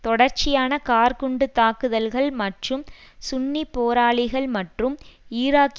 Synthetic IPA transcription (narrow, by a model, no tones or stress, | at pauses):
t̪ɔɽɐɾt͡ʃɪjaːnɐkaːɾkʊɳɖɯt̪ːaːkɯðɐlɣɐɭmɐʈrɯmsʊnːipːoːɾaːɭɪɣɐɭmɐʈrɯmiːɾaːk